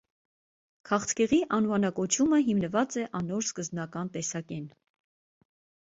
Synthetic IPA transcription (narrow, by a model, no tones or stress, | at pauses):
kʰɑχt̪ʰkɛʁiʔɑnvɑnɑkɔt͡ʃʰuməɦimnəvɑt͡sɛʔɑnɔɾskəzbnɑkɑnt̪ɛsɑkɛn